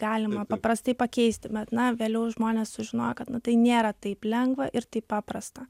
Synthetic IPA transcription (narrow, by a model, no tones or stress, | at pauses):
ɡɑːlʲɪmɐpɐpɾɐst̪ɐɪpɐkʲɛɪsʲt̪ʲɪbʲɛt̪nɐʋʲeːlʲɛʊʒmoːnʲeːssʊʒʲɪnoːjɛkɐt̪nʊt̪ɐɪnʲeːɾɐt̪ɐɪplʲɛŋɡʋɐʔɪrt̪ɐɪppɑːprɐst̪ɐ